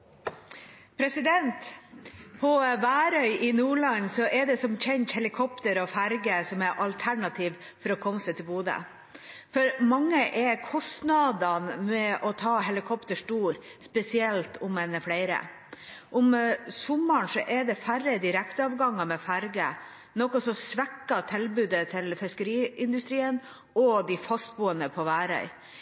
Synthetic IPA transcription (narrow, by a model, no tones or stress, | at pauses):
pʰɾɛsɪd̪ɛnt̪ | pʰɔʋæːɾœʏʔɪnuːɭɑɲsɔʔɛd̪ɛsɔmçʰɛnt̪hɛlɪkʰɔpt̪əɾɔfæɾɡəsɔmɛɾʔɑlt̪ʰæɳɑt̪ʰiːʋ | fɔɾɔkʰɔməsɛt̪ʰɪlbuːd̪ə̰ | fɔɾmɑŋːəʔɛkʰɔst̪nɑd̪ɑnmɛʔɔt̪ʰɑːɦɛlɪkʰɔpt̪əʂʈuːɾspɛsɪɛlt̪ʊmɛnəfɽæɪɾə̰ | ʔʊmsʊmːəɳsɔʔɛɖ̪ɛfæɾːəd̪ɪɾɛkt̪əɑːʋɡɑŋːɑmɛfæɾɡə̰ | nɔkːɔsɔsʋɛkːɑt̪ʰɪlbʉːd̪ət̪ʰɪlfɪskəɾiːɪnd̪ʉst̪ɾiːən | ɔd̪ɪfɑst̪̚buːənəpʰɔʋæːɾœ̰ʏ